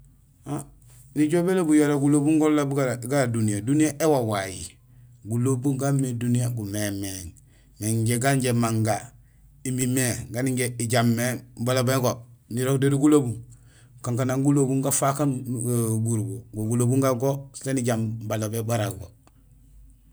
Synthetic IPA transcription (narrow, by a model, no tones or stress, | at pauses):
a | niɟobelobujaɾaɡulobuŋɡolabɡaɾadunijadunijaʔewawajḭ | ɡulobuŋɡamːedunijaɡumemeŋ | meɲɟeɡaɲɟemaŋɡa | imimeɡaniɟeiɟamːebalobeɡoniɾokdeɾiɡulobuŋ | kaŋkanaŋɡulobuŋɡafakanɡuɾbuɡoɡulobuŋɡaɡosi̥taniɟambalobebaɾaɡo